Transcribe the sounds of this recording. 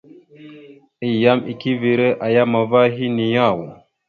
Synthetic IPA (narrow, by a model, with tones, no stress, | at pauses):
i˦˨ja˦mi˨ki˦vi˨ɾe˦ʔa˨ja˦ma˨va˦ɦi˦ni˨ja˦˨wo˨